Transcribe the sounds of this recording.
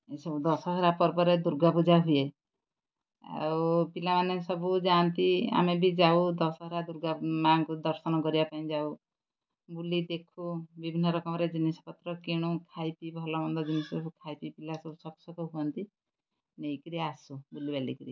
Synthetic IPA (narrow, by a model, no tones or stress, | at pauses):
sɔud̪ɔsɔɦɔɾapɔɾpɔɾed̪uɾɡapud͡ʒʱaɦuje | a̰upilamanesɔbud͡ʒant̪ia̰mebʱid͡ʒaud̪ɔsɔɦɔɾad̪uɾɡamaŋkud̪ɔɾsɔnɔkɔɾibapaĩd͡ʒau | bulid̪ekʰubibʱinːɔɾɔkɔmɔɾed͡ʒinisɔ̥pɔt̪ɾɔkiɽ̃ũkʰajpibʱɔlɔmɔnd̪ɔd͡ʒinisɔɔkʰajpipilasɔbusɔksɔk̪ɔɦuɔnt̪i | nejkiɾiasubulibalḭkiɾi